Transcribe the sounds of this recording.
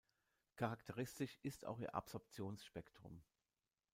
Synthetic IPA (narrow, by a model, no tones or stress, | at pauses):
kʰaʁaktʰəʁ̞ɪstɪʃɪsta̰ʊxḭːɐʔa̰pz̥ɔɐp̚t͡sjoːnsʃpɛktʁ̥ʊ̰m